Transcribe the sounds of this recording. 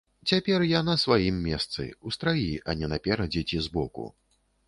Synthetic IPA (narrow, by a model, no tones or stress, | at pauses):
t͡sʲapʲɛrjanɐsvajimːʲɛst̪sɨ̰ust̪ɾajiɐnʲɛnɐpʲɛɾɐd͡zʲɛt͡sʲizbɔkṵ